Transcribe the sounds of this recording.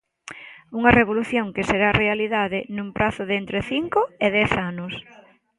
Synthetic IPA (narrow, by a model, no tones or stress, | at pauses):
uŋɐreβ̞oluθjoŋkɪseɾarealiðaðɪnũmpɾʔaθʊðent̪ɾeθiŋkoeðɛθanʊs